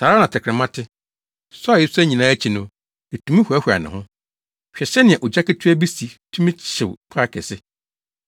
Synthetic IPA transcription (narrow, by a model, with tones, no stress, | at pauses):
tʰaː˨ɾa˦nã˨tʰɪ˨kʰɾɪ˨mã˦tʰɪ˦ | sɔ˦a˨je˦su˦æ˦ɲĩ˨nãː˦æ˦t͡ɕʰi˨nʊ̃˦ | e˨tʰũ˨˦mĩ˦hu˨æ˦hʷa̰˨nã̰˨hʊ̃˦ | ɕᶣɛ˨ɕɛ˦nɪ̃˨ɛ̃˨ʔɔ˨d͡ʑa˦kɪ˦tʰu˦æ˦bi˦si˨tʰũ˦mĩ˦t͡ɕʰɪ˨wk͡pʰa˦kʰɛ˨sɪ˦